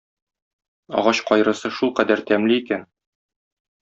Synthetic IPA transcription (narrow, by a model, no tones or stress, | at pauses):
ɒ̰ʁɑɕqɒjɾɤ̆sɤʃulˠqæd̪æɾt̪æmliikæn